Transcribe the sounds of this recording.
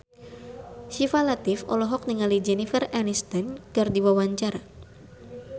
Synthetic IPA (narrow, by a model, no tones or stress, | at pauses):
ʃifalat̪ɪfɔ̰lɔɦɔk̚niŋalid͡ʒɛnifəranist̪ɛnkɨrdiwawaɲt͡ʃaɾa